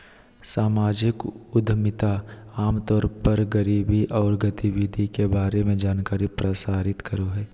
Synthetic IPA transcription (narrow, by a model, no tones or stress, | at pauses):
saːmaːd͡ʒɪkʊd̪ʱmɪt̪aaːmt̪ɔːɾpəɾɡəɾiːbiʔɔːɾɡət̪iʋɪd̪ʱikebaːɾemẽd͡ʒaːnkaːɾipɾəsaːɾɪt̪kəɾoɦɛː